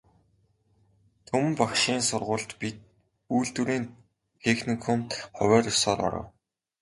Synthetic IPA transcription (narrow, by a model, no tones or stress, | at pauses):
t̪ʰɵmpakʃiːnsʊrʁʊːɮt̪pit̪̚ | uːɮt̪uɾiːn | t̪ʰexnikʰɔmt̪χɔwʲæːrʊsɔːrɔ̰ɾə̰̆w